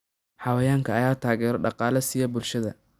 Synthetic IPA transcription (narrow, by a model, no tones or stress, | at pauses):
ħɑwɐjaːŋkʰɐɐjaːt̪ʰaːɣɛːɾɔɖɑqɑːlɐsijɐbʊlʃɐðɐ